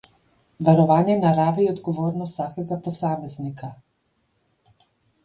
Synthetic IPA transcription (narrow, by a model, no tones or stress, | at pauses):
ʋaɾɔʋaːnjɛnaɾaːʋiɔd̪ɡɔʋoːɾnɔsaːkɛɡapɔsaːmɛznika